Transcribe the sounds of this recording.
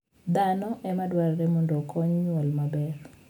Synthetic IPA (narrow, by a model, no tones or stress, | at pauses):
d̪anɔʔɛmadwaɾɾɛmɔndɔkɔɲɲwɔlmabɛr